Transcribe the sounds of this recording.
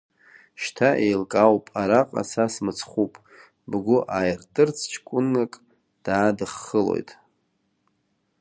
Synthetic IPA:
ʃtʰaʔejlkʼawpʼaɾaqʼa̰sasmɨt͡sʰχupʼ | bɡʷʊʔajrtʼɨrt͡sʰt͡ʃʰkʷʼʊnːakʼ | d̥aːdɨχːəlo̞̰jtʼ

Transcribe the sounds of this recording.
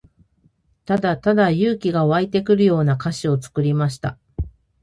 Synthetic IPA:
t̪ad̪at̪ad̪ajɯːkʲiɡaoβait̪e̞kɯ̟ɾɯ̟jo̞ːnakaɕio̞t͡sɨ̥kɯ̟ɾʲimaɕi̥t̪a̰

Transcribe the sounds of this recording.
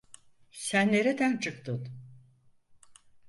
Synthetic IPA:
sænːe̞ɾed̪ænt͡ʃʰɯk̚t̪ʰɯn

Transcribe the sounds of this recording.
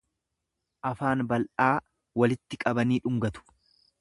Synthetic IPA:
ʔɐfaːnbɐlʔaː | wɐlɪt̪ːɪkʼɐbɐniːᶑʊŋɡɐt̪ʊ̥

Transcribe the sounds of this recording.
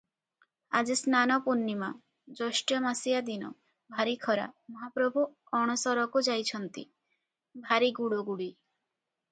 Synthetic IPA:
a̰d͡ʒisnanɔpunːima | d͡ʒɔʃʈjɔmasijad̪inɔ̰ | bʱaɾikʰɔɾa̰mɔɦapɾɔbʱu | ɔɽ̃ɔsɔɾɔkud͡ʒajt͡ʃʰɔnt̪i | bʱaɾiɡuɽoɡuɽi

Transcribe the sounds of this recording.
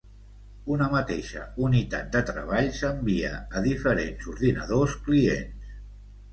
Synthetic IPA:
unəmət̪eʃə̰unit̪at̪̚d̪ət̪ɾə̰β̞aʎsəmbiə̰əðifəɾenzuɾðinə̰ð̞oskliḛns

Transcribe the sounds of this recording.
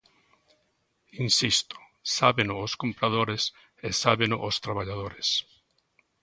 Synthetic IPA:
insist̪o̥ | saβenʊːskompɾað̞oɾes | esaβenʊʔost̪ɾaβaʎað̞oɾes

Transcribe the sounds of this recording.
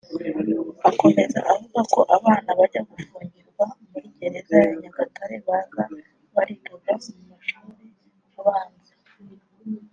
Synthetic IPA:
ako̞me̞za̰ʔavuɡako̞ʔaβaːnaβaɟaɡufuːɲɟiɾɡwaumiɟe̞ɾe̞zajaɲaɡataɾe̞βaɡa | βaɾituɡamumaʃuːɾe | aβaːnze

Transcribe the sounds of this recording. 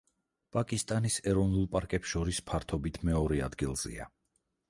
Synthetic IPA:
pʼakʼist̪ʼanisɛɾɔvnulˠpʼaɾkʼɛpsʃɔɾispʰaɾt̪ʰɔbit̪ʰmɛɔɾɛa̰d̪ɡilˠz̥ɛ̰a̰

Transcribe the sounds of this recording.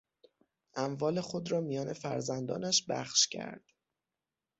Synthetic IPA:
ʔæmvɒːle̞xo̞d̪ɾɒːmijɒːne̞fæ̰ɾzænd̪ɒ̰ːnæʃbæ̰χʃcʰæ̰ɾd̪̥

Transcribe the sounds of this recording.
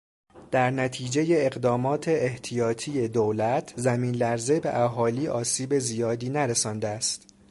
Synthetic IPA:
d̪̥æɾnæt̪ʰiːd͡ʒe̞je̞ːɣd̪ɒːmɒːt̪ʰe̞ʔːht̪ʰijɒːt̪ʰije̞d̪oːlæt̪ʰzæmiːnlæɾze̞be̞̰ʔæɦɒːliːʔɒːsiːbe̞zijɒːd̪iːnæɾesɒːnd̪eæst̪

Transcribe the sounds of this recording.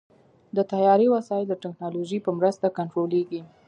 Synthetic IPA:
d̪ət̪ajɑɾiwasɑjɪld̪əʈɪknɑloʒipəmɾəst̪akaɳʈɾoleɡi

